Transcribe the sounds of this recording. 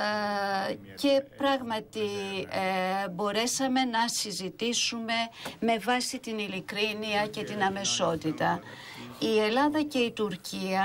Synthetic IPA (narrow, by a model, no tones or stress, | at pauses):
ce̞pɾɐɣmɐt̪i | bo̞ɾe̞sɐme̞nɐsizit̪isume̞me̞vɐsit̪inilikɾiniɐce̞t̪inɐme̞so̞t̪it̪ɐ | ie̞lɐðɐce̞it̪uɾcʰiɐ